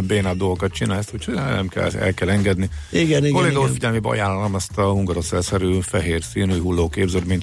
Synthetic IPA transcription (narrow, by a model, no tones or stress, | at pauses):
beːnad̪olɡokɒt̪̚t͡ʃinaːlst̪ucʰhonɛ̰mkɛ̰lɛ̰lkɛlɛŋɡɛd̪niiɡɛɡkoleːɡɔufiɟɛlmeːbɛɒ̰jaːnːɒlɔmɛst̪ɒhuŋɡɒɾosɛlsɛɾyːfɛɦeːrsiːnuːjɦulːoːkeːbzød̪miɲt̪